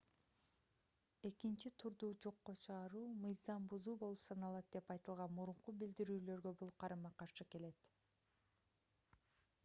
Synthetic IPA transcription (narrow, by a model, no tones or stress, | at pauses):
e̞kint͡ʃit̪ʰuɾd̪uːd͡ʒo̞qːot͡ʃʰɯʁɑɾuːmɯjzɑmbuzuːbo̞lˠupsɑnɑlˠɑt̪̚d̪e̞pɑjt̪ɯlˠʁɑnmuɾuɴqubild̪iɾyːlø̞ɾɡø̞bulˠqʰɑɾɯmɑqɑɾʃɯke̞le̞t̪